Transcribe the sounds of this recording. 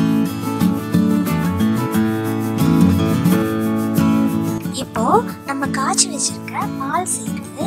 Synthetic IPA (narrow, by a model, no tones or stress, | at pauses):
ɪpːoːnɐmːɐkːaːt͡ʃːɪʋɐt͡ʃːɪɾɯkːɾɐpaːlsɛjɪɾɐðɯ